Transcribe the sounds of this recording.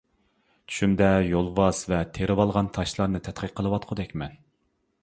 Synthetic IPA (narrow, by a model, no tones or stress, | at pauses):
t͡ʃʰy̥ʃymd̪ɛjolˠvɑz̥vɛt̪ʰeɾɨwɑlˠʁɑnt̪ʰɑʃlˠɑɾnɨt̪ʰɛt̪qʰəqqʰːəlˠɨwɑt̪qʰʊd̪ɛkʲmɛn